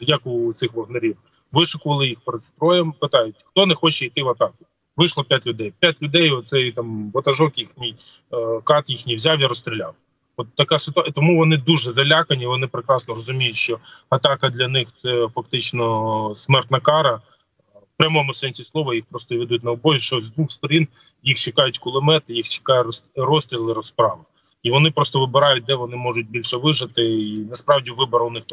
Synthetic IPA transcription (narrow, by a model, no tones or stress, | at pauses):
jɐkut̪sɪxʋɔɦnɐɾʲiw | ʋɪʃʊkʊʋɐlˠɪjixpeɾed̪st̪ɾɔjɛmpɪt̪ɑjʊtʲxt̪ɔnɛxɔt͡ʃɛijt̪ɪʋɐt̪ɑkʊ | ʋɪʃlˠɔpʲjatʲlʲʊd̪ɛjpʲjatʲlʲʊd̪ɛjɔt̪sɛjt̪ɑmʋɔt̪ɐʒɔkjixnʲij | kɑt̪jixnʲijwzʲawjiɾɔst̪ɾʲilʲa̰w | ɔt̪ːɐkasɪt̪ʊt̪ɔmuʋɔnɪd̪uʒɛzɐlʲakɐnʲiʋɔnɪpɾɪkɾɑsnɔɾɔzʊmʲijʊtʲʃt͡ʃɔɐt̪ɑkɐd̪lʲɐnɪxt̪sɛfɐkt̪ɪt͡ʃnɔsmɛrt̪ʲnɐkɑɾɐ | wpɾʲɐmɔmʊsɛnʲsʲislˠɔʋɐjixpɾɔst̪ɔiʋɛd̪utʲnɐɔbɔzʲiʃt͡ʃɔzd̪ʋuxst̪ɔɾʲin | jixt͡ʃɪkɑjʊtʲkʊlˠɪmɛt̪ɪjixt͡ʃɪ̥kɑjɛɾsrɔsʲt̪ʲɾʲilˠɪɾɔspɾɑʋɪ | iʋɔnɪpɾɔst̪ɔʋɪbɪɾɑjʊt̚ʲd̪ɛʋɔnɪmɔʒʊt̚ʲbʲilʲʃɛʋɪʒɐt̪ɪinɐspɾɑwdʲiʋɪbɔɾɐʊnɪx